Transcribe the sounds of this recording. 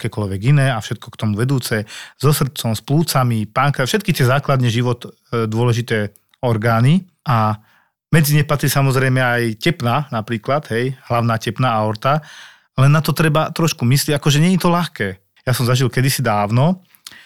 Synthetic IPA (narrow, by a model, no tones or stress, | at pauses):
akɛːkɔʎʋɛɡinɛːafʃɛt̪̚kʰɔkt̪ɔmuʋɛd̪uːt͡sɛzɔsr̩t͡sɔmspluːt͡samipaŋkafʃɛt̪kit̪ɪɛzaːklad̪ɲɛʒiʋɔt̪ | d̪ʊɔlɛʒit̪ɛː | ɔɾɡaːni | ʔa | mɛd͡ziɲɛxpat̪ɾisamɔzɾɛjmɛajcɛpnaːnapɾiːklad̪ɦɛjɦlaʊnaːcɛpnaːaɔɾt̪a | lɛnːat̪ɔt̪ɾɛbat̪ɾɔʃkumisliɟakɔʒɛɲɛɲit̪ɔlaxkɛː | jasɔmzaʒilkɛd̪isid̪aːʊnɔ